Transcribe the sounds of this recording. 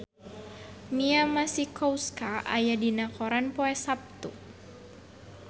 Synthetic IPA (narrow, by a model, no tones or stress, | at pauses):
miamasikɔwskaʔa̰jadinakɔɾanpɔɛsap̚t̪u